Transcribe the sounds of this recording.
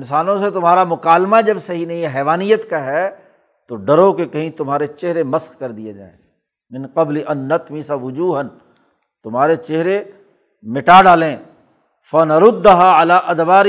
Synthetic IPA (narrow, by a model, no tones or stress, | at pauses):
ɪnsaːnõset̪ʊmɦaːɾamʊkaːlmad͡ʒɐbsɐɦinɐɦĩɛɦɛːʋaːnijət̪kaɦɛ | t̪oɖɐɾõkekɐɦĩt̪ʊmɦaːɾet͡ʃeɦɾemɐsxkɐɾd̪ijed͡ʒa̰ːḛ̃ | mɪ̃nqɐbliʔɐnːɐt̪mɪsaʋʊd͡ʒuːɦən | t̪ʊmɦaːɾet͡ʃeɦɾe | mɪʈaːɖaːlẽː | fɐnɐɾʊd̪ːɦaːɪlaːʔɐd̪baːɾ